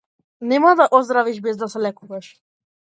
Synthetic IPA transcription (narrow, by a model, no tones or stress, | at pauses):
nɛmad̪aʔɔzd̪ɾaviʃbɛzd̪asɛlɛkuvaʃ